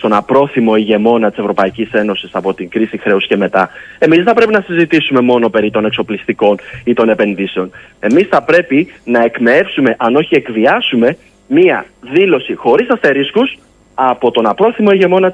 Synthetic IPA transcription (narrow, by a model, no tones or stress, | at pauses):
st̪o̞nɐpɾo̞θimo̞iʝe̞mo̞nɐt̪ise̞vɾo̞pɐicise̞no̞sisɐpo̞t̪iŋɡɾisixɾe̞usce̞me̞t̪ɐ | e̞mizðeθɐpɾe̞pinɐsizit̪isume̞mo̞no̞pe̞ɾit̪o̞nekso̞plist̪iko̞nit̪o̞ne̞pe̞nðise̞o̞n | e̞misθɐpɾe̞pinɐe̞kmee̞fsume̞ʔɐno̞çie̞kðiɐsume̞ | miɐ̰ðilo̞sixo̞ɾisɐst̪e̞ɾiskus | ɐpo̞t̪o̞nɐpɾo̞θimo̞iʝe̞mo̞nɐ